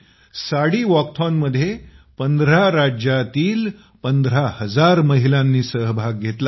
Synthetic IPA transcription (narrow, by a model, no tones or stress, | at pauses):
saɽiːʋɔk̚ʈʰɔnməd̪ʱːjepənd̪ɾaɾad͡ʑjat̪iːl | pənd̪ɾahəd͡zaɾməɦilãnːiːsəɦbʱaɡ̚ɡʱet̪la